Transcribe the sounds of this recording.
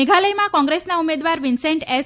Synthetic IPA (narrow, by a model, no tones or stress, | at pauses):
eɡʱaləjmãkɔ̃ŋɡɾesnaumed̪ʋaɾʋinseɳʈes